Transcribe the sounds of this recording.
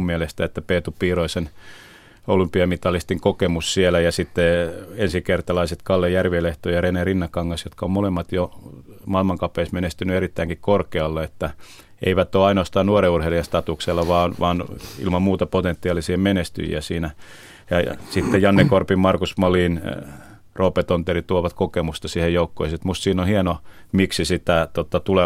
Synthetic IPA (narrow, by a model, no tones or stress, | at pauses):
mmielest̪æet̪ːæpeːt̪upiːroisen | olympiɑmit̪ɑlːist̪iŋkokemussielæjɑsit̪ːeensikert̪ɑlɑiset̪kɑlːejærʋieleht̪ojɑrenerinːɑkːɑŋːɑsjot̪kɑommolemːɑt̪jomɑilmɑŋkɑpːˑeismenest̪ynyeɾit̪ːæiŋkikkorkeɑlːeet̪ːæ | ḛiʋæt̪ːoːɑinoɑst̪ɑːnnuoreurheliɑst̪ɑt̪ukselːɑʋɑːnʋɑːnḭlmɑmmuːt̪ɑpot̪ent̪ːiɑˑlisiemenest̪y̰jḭæsiːnæ | jɑ̰sit̪ːejjɑnːekorpimmɑrkusmɑliːn̰ | roːpet̪ont̪erit̪uoʋɑt̪kokemust̪ɑsiːhejoukːo̰iset̪must̪siːnohieno | miksisit̪æt̪ot̪ɑt̪ule